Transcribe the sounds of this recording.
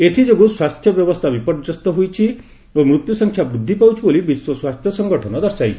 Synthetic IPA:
et̪ʰid͡ʒoɡuswast̪ʰjɔbjɔbɔst̪ʰabipɔɾd͡ʒɔst̪ɔɦujt͡ʃʰi | omɾut̪jusɔŋkʰjabɾud̪ʱːipawt͡ʃʰubolibiswɔswast̪ʰjɔsɔŋɡɔʈʰɔnɔd̪ɔɾsaj

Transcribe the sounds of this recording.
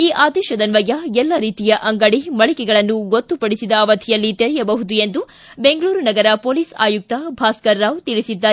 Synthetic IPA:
iːʔaːd̪ɛːʃɐd̪ɐnʋɐɡɐɛlːɐɾiːt̪ijɐʔɐŋɡɐɽimɐɭikɛɡɐɭɐnːuɡot̪ːupɐɽisid̪ɐːʋɐt̪ʰijɐlːit̪eɾɛjɐbɐɦud̪ue̞nd̪u | be̞ŋɡɐɭuːɾunɐɡɐɾɐpo̞ːliːsa̰ːjuk̚t̪ɐbʱaːskɐɾːawt̪iɭisid̪ːaː

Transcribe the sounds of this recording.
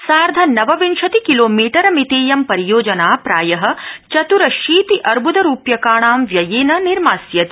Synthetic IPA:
saːɾd̪ʱɐnɐʋɐʋinʃɐt̪ikiloːmiːʈɐɾɐmit̪eːjɐmpɐɾijoːd͡ʒɐnaːpɾaːjɐɦɐ̆t͡ʃɐt̪uɾɐʃiːt̪iʔɐɾbud̪ɐɾuːpjɐkaːɳaːmʋjɐjeːnɐniɾmaːsjɐt̪i

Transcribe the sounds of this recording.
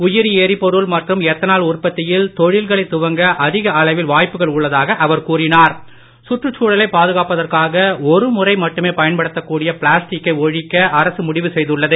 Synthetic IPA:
ʊjɪɾieːɾipːɔɾɯɭmɐʈrɯmɛt̪ːɐnaːlʊrpɐt̪ːɪjɪlt̪ɔɻɪlɣɐɭɐɪt̪ːʊʋɐŋɡɐʔɐðɪɣɐɐɭɐʋɪlʋaːjpːɯɣɐɭʊɭːɐðaːɣɐʔɐʋɐɾkuːrɪnaːɾ | sʊʈrɯt͡ʃːuːɽɐlɐɪpːaːðɯɣaːpɐðɐrkaːɣɐɔɾɯmʊrɐɪmɐʈːɯmeːpɐjɐnpɐɽɯt̪ːɐkːuːɽɪjɐpɪɭaːsʈɪkːɐɪɔɻɪkːɐʔɐɾɐsɯmʊɽɪʋɯsɛjðɯɭːɐðɯ

